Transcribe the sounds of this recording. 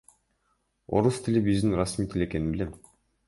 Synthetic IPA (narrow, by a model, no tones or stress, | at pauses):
o̞̰ɾust̪ʰɪlʲibizd̪inɾasmiːt̪ʰilʲe̞ke̞ninbilem